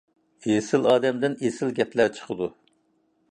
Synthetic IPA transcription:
esɪlɑːd̪ɛmd̪ɪnesɪlɡʲɛplæt͡ʃʰə̥qʰəd̪u

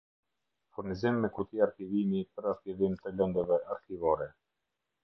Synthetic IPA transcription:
fuɾnizimːɛkut̪iaɾkivimipəɾaɾkivimt̪əlɛnd̪əvɛaɾkivɔɾɛ

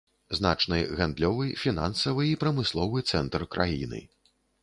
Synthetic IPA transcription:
znat͡ʂnɨɣand̪lʲɔvɨfʲina̰nsɐvɨipɾɐmɨslˠɔvɨt̪sɛnt̪rkɾʔa̰jḭnɨ̰

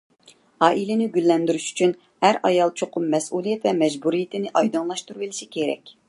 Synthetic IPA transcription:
ɑːʔilɪnɪɡʲylːɛnd̪yɾyʃy̥t͡ʃʰyn | hæɾʔɑjɑlˠt͡ʃʰoqʰʊmːɛsulˠijɛt̪vɛmɛd͡ʒbuɾijit̪ʰɪnɪʔɑjd̪ɨnlˠɑʃt̪uɾubilɪʃikʲʰeɾɛ̰kʲ

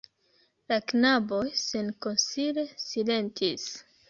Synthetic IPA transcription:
laknabo̞jsenko̞nsiɾe̞sile̞ntʰis

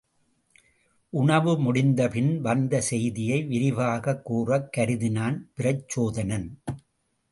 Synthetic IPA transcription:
ʔʊɳɐʋɯmʊɽɪnd̪ɐpɪnʋɐnd̪ɐsɛjðɪjɐɪʋɪɾɪʋaːɣɐkːuːrɐkːɐɾɪðɪnaːnpɪɾɐt͡ʃːoːðɐnɐn

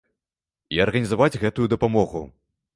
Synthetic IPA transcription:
iɐrɣɐnʲizavad͡zʲɣɛt̪ujud̪ɐpamɔɣu

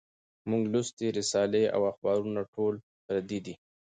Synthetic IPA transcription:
muŋɡlʊst̪iɾɪsɑlea̰waxbɑɾunaʈʰol | pɾad̪id̪i

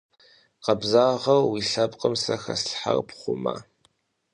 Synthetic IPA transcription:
qɐbzaːʁɐrwiɬɐpʼqʼəmsɐxɐ̰sħarpχʷʊma̰

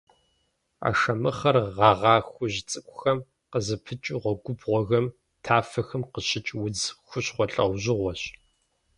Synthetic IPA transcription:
a̰ːʂɐmɨχɐrʁɑʁɑːxʷʊʑt͡sʼɨkʷʼʊxɐm | qəzɨpʰɨt͡ʃʼuʁʷɔɡʷʊbʁʷɔɣɐm | tʰaːfɐxɐmqəɕɪt͡ʃʼwʊd͡zxʷʊɕχʷɔɬʼɐ̰wʑɪʁʷɔɕ

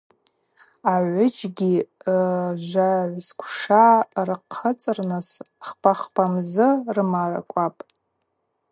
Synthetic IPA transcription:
aʕʷʊd͡ʒɡʲi | ʒʷaʕʷskʷʰʂarɨqʰːət͡sʼɨrnɨs | χpʰaχpʰʼamzɨrɨmaʕa̰kʷʼapʼ

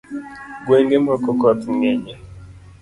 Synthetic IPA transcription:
ɡweŋɡemɔkɔkɔt̪ŋɛɲɛ

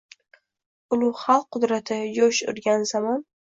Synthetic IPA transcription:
ʊlˠʊχɑlˠqːʊd̪ɾat̪ʰɪjoʃʊ̰ɾɡʲanzamɒn

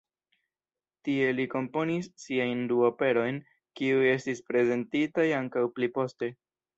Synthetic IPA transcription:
tie̞liko̞mpo̞nisːiajnduope̞ɾo̞jn | kiuje̞stispɾe̞ze̞ntitajaŋkawplipo̞ste̞

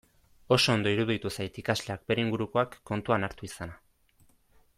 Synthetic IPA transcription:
o̞so̞ːnd̪o̞iɾuðit̪usajt̪ikazle̞ak̚be̞ɾeiŋɡuɾuko̞akːo̞nt̪uanaɾt̪uisana

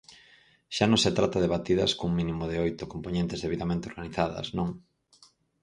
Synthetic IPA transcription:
ʃanõŋset̪ɾat̪ɐðeβat̪iðɐ̰skouŋmĩnimʊðɪojt̪ʊkompoɲẽnt̪ɪzðeβiðamẽnt̪eoɾɣaniθaðɐ̰snõŋ

